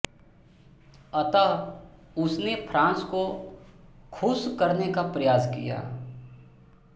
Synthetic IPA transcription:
ɐt̪a | ʊsnepʰɾãːnsko | kʰʊskɐɾnekapɾɐjaːskḭja̰ː

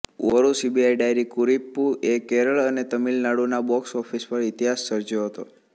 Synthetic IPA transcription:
ʋɔɾusibiajɖajɾikuɾipːuekeɾəɭənet̪əmilnaɽunabɔksɔfʰispəɾit̪iɦasːəɾd͡ʒjoɦət̪o

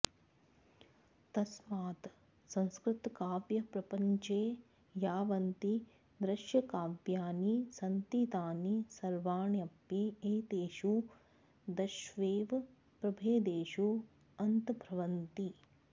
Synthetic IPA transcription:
t̪ɐsmaːt̪ | sɐ̃ŋ̃skɾɪt̪kaːpjɐpɾɐpɐɲt͡ʃeː | jaːʋɐnt̪i | d̪ɾɐʃjɐkaːbjaːnisɐnt̪it̪aːnisɐɾʋaːɳjɐpjeeːt̪eːʃu | d̪ɐʃʋeːʋ | pɾɐbʱeːd̪eːʃu | ɐnt̪bʱɾɐʋɐnt̪i

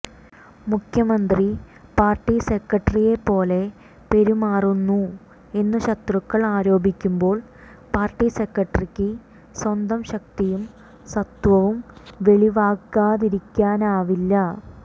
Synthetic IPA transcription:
mukʰjɐmɐnd̪ri | paːrʈːisekːɐʈːɐrije̞pːo̞ːle̞ | pe̞ɾumaːrunːu | e̞nːuɕɐt̪rukːɐɭaːɾo̞ːbʱikʲːumbo̞ːɭ | paːrʈːisekːɐʈːɐrikʲːɨ | swɐnd̪ɐmɕɐk̚t̪ijum | sɐt̪ʋɐʋumʋe̞ɭiʋaːkːaːðiɾikʲːaːnaːʋilːɐ

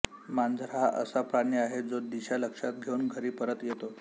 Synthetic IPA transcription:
mand͡zʱɾaʔə̰sapɾaɳiaɦed͡zod̪iɕaləkʂat̪̚ɡʱeunɡʱəɾiːpəɾət̪jet̪o

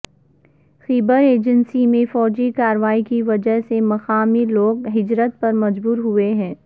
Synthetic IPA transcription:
xiːbəɾeːd͡ʒənsimẽfɔːd͡ʒikaːɾəʋaːikiʋɐd͡ʒəɦsemɐxaːmiloːɡɦɪd͡ʒɾət̪̚pɐɾmɐd͡ʒbuːɾɦueɦɛ̃ː

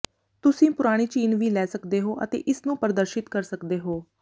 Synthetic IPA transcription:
t̪ʊsĩːpʊɾaːɽ̃iːt͡ʃiːnʋiːlɛːsəkd̪eːɦoːʔə̰t̪ḛːʔɪsnũːpəɾd̪əɾʃɪt̪kəɾsəkd̪eːɦoː

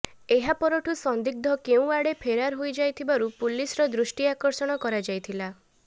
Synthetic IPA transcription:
eɦapɔɾɔʈʰusɔnd̪ik̚d̪ʱɔkeũaɽepʰeɾaɾɦojd͡ʒajt̪ʰibaɾupulisɾɔd̪ɾusʈiakɔɾsɔɽ̃ɔkɔɾad͡ʒajt̪ʰila

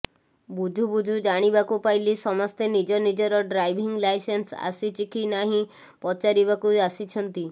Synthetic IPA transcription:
bud͡ʒʱubud͡ʒʱud͡ʒaɽ̃ibakupajlisɔmɔst̪enid͡ʒɔnid͡ʒɔɾɔɖɾajbʱiŋlajsensa̰sit͡ʃikʰinaɦĩ | pɔt͡ʃaɾiβakuasit͡ʃʰɔnt̪i

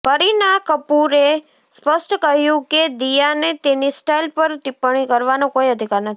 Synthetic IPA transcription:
kəɾinakəpuɾe | spəsʈkəɦjũked̪ijanet̪enisʈailpəɾt̪ipɳ̃ikəɾʋanõkoiəd̪ʱikaɾnət̪ʰi

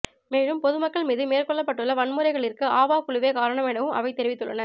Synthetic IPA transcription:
meːɻɯmpɔðɯmɐkːɐɭmiːðɯmeːrkɔɭːɐpːɐʈːɯɭːɐʋɐɳmɯɾɐɪɣɐɭɪɾkɯaːʋaːkʊɭɯʋeːkaːɾɐɳɐmɛnɐʋɯmʔɐ̰ʋɐɪt̪ɛɾɪʋɪt̪ːɯɭːɐ̰nɐɾ

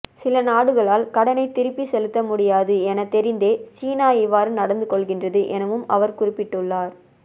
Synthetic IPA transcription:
sɪlɐnaːɽɯɣɐɭaːlkɐɽɐnɐɪt̪ɪɾɪpːisɛlɯt̪ːɐmʊɽɪjaːðɯɛnɐt̪ːɛɾɪnd̪eːt͡ʃiːnaːɪʋːaːɾɯnɐɽɐnd̪ɯkɔɭɣɪndrɐðɯʔɛnɐʋɯmɐʋɐɾkʊɾɪpːɪʈːɯɭːaːɾ

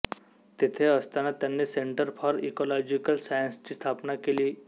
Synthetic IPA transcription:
t̪it̪ʰeəst̪anat̪janːeseɳʈəɾpʰɔɾḭkɔlɔd͡ʑikəlsajənst͡ɕiːst̪ʰapnakeliː

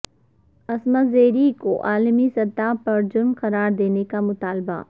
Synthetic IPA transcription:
ɐsmazeːɾikoʔaːlmisɐt̪aːpɐɾd͡ʒʊɾmqɐɾaːɾd̪eːnekamʊt̪aːlba̰

